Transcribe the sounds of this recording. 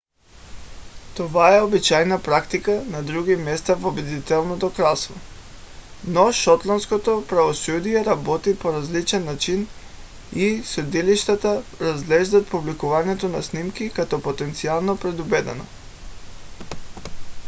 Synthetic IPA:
t̪ovaɛobit͡ʃajnapɾakt̪ikanad̪ɾuɡimɛst̪avobɛd̪it̪ɛlˠnot̪okɾasvo | nɔʃɔt̪lˠanskot̪opɾavosud̪iɛɾabɔt̪ipoɾazlit͡ʃɛnːat͡ʃin | isɛd̪iliʃt̪at̪aɾazɡlɛʒd̪at̪̚publikuvaɲɛt̪onasnimkikat̪ɔpot̪ɛnt̪sialˠnopɾɛd̪ubɛd̪ɛ̰no̰

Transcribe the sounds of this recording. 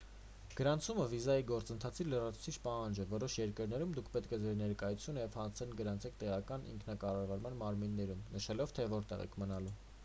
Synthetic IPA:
ɡ̥əɾɑnt͡sʰuməvizɑjiɡɔɾt͡sənt̪ʰɑt͡sʰilərɑt͡sʰu̥t͡sʰit͡ʃʰpɑhɑnd͡ʒɛvɔɾɔʃjɛɾkəɾnɛɾumd̪ukʰpɛt̪kʰɛd͡zɛɾnɛɾkɑjut͡sʰjunəjɛvhɑnt͡s̪ʰɛnɡəɾɑnt͡sʰɛk̚ʰt̪ɛʁɑkɑnʔḭŋkʰnɑkɑrɑvɑɾmɑnmɑɾminːɛɾumnəʃɛlɔvt̪ʰɛvɔɾt̪ɛ̰ʁɛ̰kʰmənɑlu

